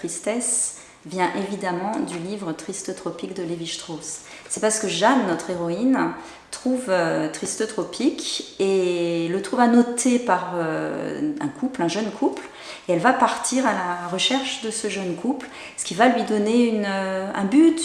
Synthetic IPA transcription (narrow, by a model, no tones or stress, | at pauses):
t̪χist̪ɛs | vjɛ̃ʔevid̪amɑ̃d̪ylivʁət̪χist̪ət̪χɔpikd̪əleviʃt̪χosː | ɛpaʁsə̥kəʒanːɔt̪χeʁɔin | t̪χuvøt̪χist̪ət̪χɔpʰikelət̪χuvanɔt̪ʰepaʁø | ɛ̰̃kʰuplɛ̃ʒœnkʰupl | eɛlvapaʁt̪ʰiʁalaʁəʃɛʁʃd̪əsəʒœnkʰupl | sə̥kʲivalɥid̪ɔneynøɛ̰̃byt̪